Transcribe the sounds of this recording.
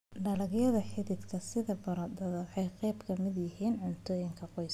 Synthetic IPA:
ɖɐlɐɡjɐðɐħɪðɪd̪kʰɐsɪðɐbɐɾɐd̪ɐðħɛjqɛjbkʰɐmɪd̪jɪɦiːnʕʊnt̪ʰɔːjɪŋkʰɐqɔjs

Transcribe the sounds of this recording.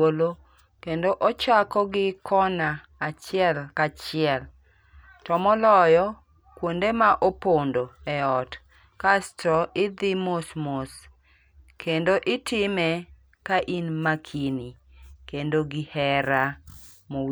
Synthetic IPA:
olo | kendoʔɔt͡ʃakɔɡɪkʰɔnaː | t͡ʃɪɛlkat͡ʃɪɛl | tɔmɔlɔjɔ | kwondemaʔopondoɛɔt | kastɔʔɪd̪ɪmosmos | kʰendoʔɪtɪmɛ | kaʔinmakʰinikendoɡɪhɛɾa | mo

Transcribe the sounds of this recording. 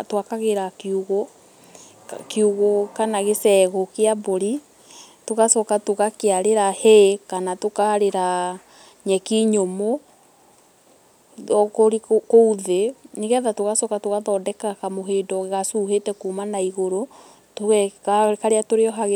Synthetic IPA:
twakaɣeɾakeuɣo | keuɣokanaɣesɛɣokeaboɾi | toɣasɔkatoɣakeaɾeɾaheekanatokaɾeɾa | ɲɛkiɲomo | koɾikouðeniɣɛðatoɣasɔkatoɣaðɔdɛkakamoɦeːdɔɣɣasuːɦetɛkumanaiɣoɾo | toɣɛkakaɾeatoɾeɔɦaɣe

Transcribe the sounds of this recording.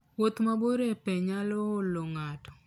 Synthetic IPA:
wot̪maboɾepɛɲalɔːloŋatɔ̥

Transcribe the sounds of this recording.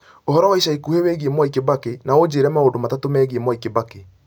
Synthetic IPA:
ohɔɾɔwaiʃaikuheweɣiemwaikebakenaod͡ʑeːɾɛmaondomatatomɛːɣiemwaikebake

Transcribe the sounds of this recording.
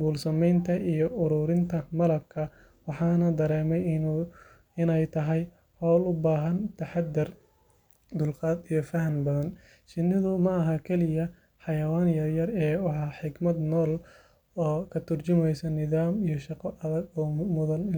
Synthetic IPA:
ɡuːlsɐmɛjnt̪ʰɐijɔʔʊɾuːɾɪnt̪ʰɐmɐlɐb̚kʰɐ | wɑħɑːnɐd̪ɐɾɛːmɛj | ɪnɛjt̪ʰɐɦɛj | hɔːlʊbaːɦɐnt̪ʰɐħɑd̪ːɪr | d̪ʊlqɑːd̪ijɞfɐɦɐnbɐðɐn | ʃɪnːɪðʊmɐːɦɐkʰɛlɪjɐ | ħɑjɐwaːnjɐrjɐrɛːwɑħɑːħɪɡmɐd̪nɔːl | ɔːkʰɐt̪ʰʊrt͡ʃʊmɛjsɐnɪðaːmijɔʃɑqɔʔɐðɐɡɔːmʊðɐnɪ

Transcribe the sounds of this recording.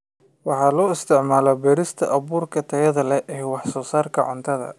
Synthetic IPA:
wɑħɑːlɔːɪst̪ʰɪʕmaːlɔbɛːɾɪst̪ʰɐ̰ʔɐβuːrkʰɐt̪ʰɐjɐðɐlɛʔɛːwɑħsɔːsaːrkʰɐʕʊ̰nt̪ʰɐðɐ̰

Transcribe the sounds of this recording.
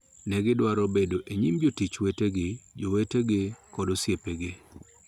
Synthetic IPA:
nɛɡɪdwaɾɔbedoʔeɲimd͡ʒotit͡ʃweteɡɪd͡ʒoweteɡɪkɔdosjepeɡɪ

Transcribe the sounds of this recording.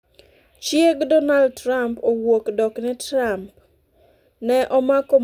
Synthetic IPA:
t͡ʃjeɡdɔnaldtɾampowokdɔknɛtɾamp | nɛʔɔmakom

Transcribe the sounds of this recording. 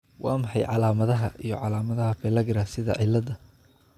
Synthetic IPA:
wɑ̰ːmɑħɑjʕɑlaːmɐðɐɦɐʔijɞʕɑlaːmɐðɐɦɐbɛlɐɡɪɾɐsɪðɐ̰ʕɪlːɐd̪ɐ

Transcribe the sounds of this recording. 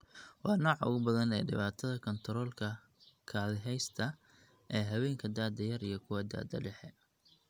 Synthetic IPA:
wɑːnɔːʕʊ̰ɣʊbɐðɐnɛːɖɪ̰βaːt̪ʰɐðɐkʰɔnt̪ʰɾɔːlkʰɐ | kʰaːðɪɦɛjst̪ʰɐ | ʔɛːɦɐwɛːŋkʰɐd̪aːd̪ɐjɐɾijɞkʰʊwɐd̪a̰ːd̪ɐɖɛħɛ

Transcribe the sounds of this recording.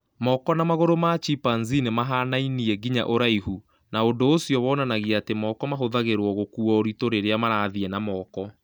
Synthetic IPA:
mɔkɔnamaɣoɾomat͡ʃipanzinemaɦanainiɛɡiɲa̰ʔoɾaihu | naondoːsjɔwɔːnanaɣiatemɔkɔmaɦoðaɣeɾwɔɣokuɔoɾitoɾeɾeamaɾaðiɛnamɔːkɔ

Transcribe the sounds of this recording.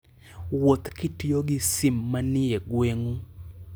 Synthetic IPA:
wot̪kitijoɡɪsɪmːanɪeɡweŋu

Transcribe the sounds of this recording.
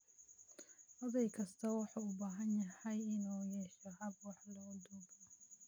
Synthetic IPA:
ʔɐðɛjkʰɐst̪ʰɐwɑħuːʊbaːɦɐnjɐhɛjɪnuːjɛʃɔɦɐbwɑħlɔːd̪uɡ

